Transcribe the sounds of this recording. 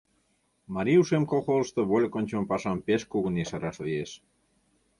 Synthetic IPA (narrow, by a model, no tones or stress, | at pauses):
maɾiuʃemkoxolʃt̪ə̆βolʲkonʲt͡ɕəmpɑsɑmpeskuɣənisəɾɑʃlieʃ